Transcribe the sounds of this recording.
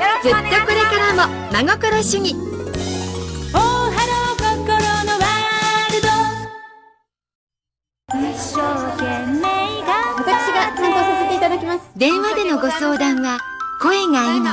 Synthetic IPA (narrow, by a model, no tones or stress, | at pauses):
d͡zɨt̪ːo̞ko̞ɾe̞kaɾamo̞ | maŋo̞koɾoɕɨɲ̟i | oɦanokokoɾonoβaɾɯ̟d̪o | iɕːokemːeɡaβat̪akɯ̥ɕiɡanãnt̪oːsaset̪e̞it̪ad̪akʲimasɨ̥d̪ẽ̞ɰ̃βad̪e̞no̞ɡo̞so̞ːd̪ãɰ̃βa | ko̞e̞ŋaino